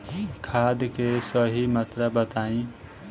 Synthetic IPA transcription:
kʰaːd̪kesəɦimət̪ɾabət̪aːĩ

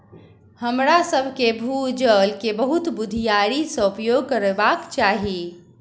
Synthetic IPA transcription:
həmɾasəbʱkebʱud͡ʒəlkebəɦut̪bud̪ʱijaɾisə̃upjoɡ̚kəɾebakt͡ʃaɦi

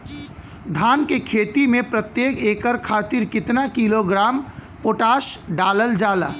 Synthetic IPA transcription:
d̪ʱaːnkekʰeːt̪imẽpɾət̪jeːkeːkəɾkʰaːt̪ɪɾkɪt̪nakiloɡɾaːmpoːʈaːʃɖaːləld͡ʒaːla̰ː

